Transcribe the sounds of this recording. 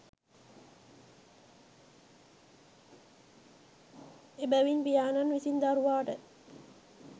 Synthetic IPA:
ebəʋinpijaːnanʋisind̪aɾuʋaːʈə

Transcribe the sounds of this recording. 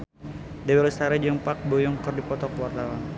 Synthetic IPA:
dɛwɛɾəsaɾɛd͡ʒəmpak̚bojɔŋkərdipɔt̪ɔkwart̪awan

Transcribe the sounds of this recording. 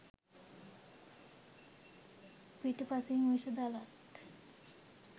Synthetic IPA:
piʈpasiŋuʃəd̪alat̪

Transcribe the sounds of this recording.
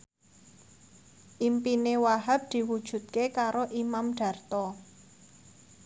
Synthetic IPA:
ʔimpinewaɦab̚d̪̥i̤wud̥ʒ̥ṳt̪̚kekaɾoʔimamɖ̥a̤rt̪ɔ

